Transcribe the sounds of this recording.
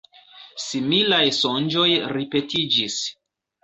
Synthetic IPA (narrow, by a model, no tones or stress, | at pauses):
similajsond͡ʒo̞jɾipe̞tid͡ʒis